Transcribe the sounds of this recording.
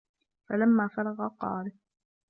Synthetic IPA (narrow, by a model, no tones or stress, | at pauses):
falamːaːfɑɾˤɑɣɑqɑ̰ːɾɪ